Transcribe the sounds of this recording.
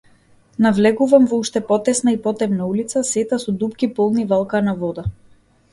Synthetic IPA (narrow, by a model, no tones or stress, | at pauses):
navlɛɡuvamvɔuʃt̪ɛpɔt̪ɛsnaipɔt̪ɛmnaulit̪sasɛt̪asɔd̪upkipɔlˠnivalˠkanavɔd̪a